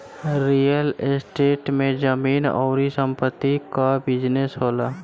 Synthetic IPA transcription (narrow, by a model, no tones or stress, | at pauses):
ɾijəlsʈeːʈmẽd͡ʒəmiːnɔ̰ːɾisə̃mpət̪ːikabɪd͡ʒnesɦoːlaː